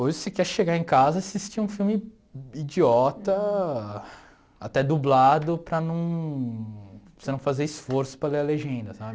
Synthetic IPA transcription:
ojzsekɛɾʃeɡaẽkazɐasist͡ʃiũfiwmɪ | id͡ʒiɔt̪ɐ | at̪ɛd̪ublad̪ʊpɾɐnɐ̃w̃ | senɐ̃w̃fazeɾisfoɾsʊ̥pɾɐleɾɐleʒẽnd̪ɐsabɪ

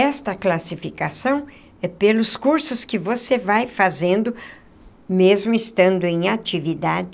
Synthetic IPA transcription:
ɛst̪ɐklasifikasɐ̃w̃ | ɛpelʊskuɾsʊskɪvosevajfazẽnd̪ʊ | mezmʊɪst̪ɐ̃nd̪ʊẽj̃at͡ʃivid̪ad͡ʒ

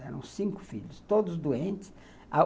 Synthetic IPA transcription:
ɛɾɐ̰̃w̃sĩkʊ̥fiʎʊst̪od̪ʊzd̪uẽnt͡ʃ̪ɪ̥s | a

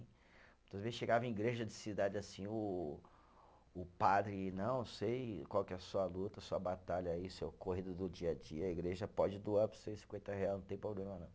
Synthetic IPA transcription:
mũt̪ɐzvezɪsʃeɡavɐ̃iɡɾeʒɐd͡ʒɪsid̪ad͡ʒɪasĩʊ | pad̪ɾɪnɐ̃w̃ñsejkwawkɛɛɐsuɐlut̪ɐsuɐbat̪aʎɐiʊsewkohid̪ʊd̪ʊd͡ʒiɐd͡ʒiɐːiɡɾeʒɐpɔd͡ʒɪd̪uaɾpoɾseɾsĩkwẽnt̪ɐɦeajzñt̪ẽpɾoblẽmɐnɐ̃w̃

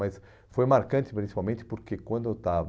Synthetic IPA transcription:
ɐjs | fojmaɾkɐ̃nt͡ʃ̪ɪ̥pɾʲĩsi̥pawmẽnt͡ʃɪ̥poɾkekwɐ̃nd̪ʊet̪av

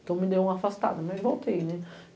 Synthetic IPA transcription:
t̪ɐ̃w̃mɪd̪ewũafast̪a̰d̪ɐmãevowt̪ejnɛ

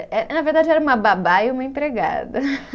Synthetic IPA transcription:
ɛnɐveɾd̪ad͡ʒɪɛɾɐũmɐbabaiumɐẽpɾeɡa̰d̪ɐ

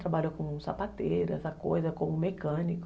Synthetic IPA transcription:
t̪ɾabaʎʊkõsa̰pat̪eɾʊɛsɐkojzɐkõmʊmekɐ̃nikʊ

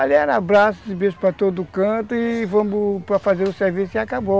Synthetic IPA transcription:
alɛɾɐabɾasʊ̥sɪbeʒʊ̥pɾɐt̪od̪ʊːkɐ̃t̪ʊɪvɐ̃mʊpɾɐfazeɾʊseɾvisʊkɪakabo

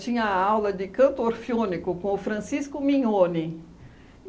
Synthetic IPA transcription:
t͡ʃĩɲɐawlɐd͡ʒɪkɐ̃nt̪ʊoɾfiõnikʊkõʊfɾɐ̃siskʊmĩɲõnɪ

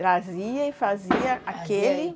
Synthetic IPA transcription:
ɾaziɐifaziɐakeli

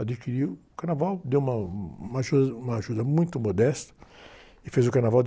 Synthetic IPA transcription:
ad͡ʒikiɾiwʊkaɾnavawd̪ewũmɐũmaʒud̪ũmɐaʒud̪ɐmũj̃t̪ʊmod̪ɛst̪ɐ̥ | ɪfezʊkaɾnavawd͡ʒ

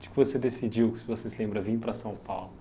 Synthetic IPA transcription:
d͡ʒɪ̥kɪvosed̪esid͡ʒiwsɪvosesɪlẽmbɾɐvĩpɾɐsɐ̃w̃pawlʊ

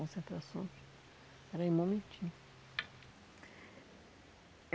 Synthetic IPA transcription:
õsẽnt̪ɾasõjs | ɛɾɐĩmõmẽt͡ʃĩ

